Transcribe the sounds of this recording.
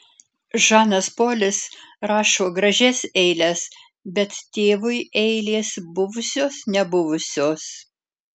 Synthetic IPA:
ʒɑːnɐspoːlʲɪsɾɑːʃoːɡɾɐʒʲɛsɛɪlʲɛs | bʲɛt̪t̪ʲeːʋʊɪʔɛɪlʲeːsbʊʋʊsʲoːsnʲɛbʊʋʊsʲoːs

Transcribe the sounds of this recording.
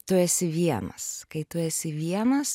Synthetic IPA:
t̪ʊɛsʲɪʋʲiɛnɐ̰skɐɪt̪ʊɾʲɛsʲɪʋʲiɛnɐs

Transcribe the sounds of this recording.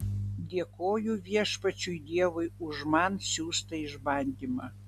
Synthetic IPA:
d̪ʲeːkoːjuːʋʲiɛʃpɐt͡ʃʲujd̪ʲeɛʋʊjʊʒmɑnsʲuːst̪ɐɪʒbɑnʲd̪ʲimɐ

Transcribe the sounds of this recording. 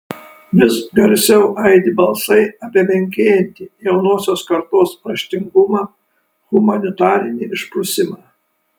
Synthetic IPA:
ʋʲɪsɡɐɾʲsʲɛʊʔɐɪd̪ʲɪbɐlˠsɐɪɐpʲiɛmʲɛŋʲkʲeːjɛnʲt̪ʲiːjɛʊnoːsʲoːskɐɾt̪oːspɾɐʃʲt̪ʲɪŋɡʊmɑː | ɣʊmɐnʲɪt̪ɑːɾʲɪnʲiɪʃpɾʊsʲɪmɑː

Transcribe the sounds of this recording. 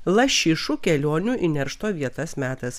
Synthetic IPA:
lˠɐʃʲɪʃukʲɛlʲoːnʲuʔɪnʲɛɾʃt̪oːʋʲiɛt̪ɐsmʲæːt̪ɐs

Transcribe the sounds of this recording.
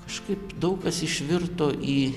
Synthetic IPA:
kɐʃkɐɪpd̪ɐʊkɐsɪʃʲʋʲɪrt̪oːʔiː

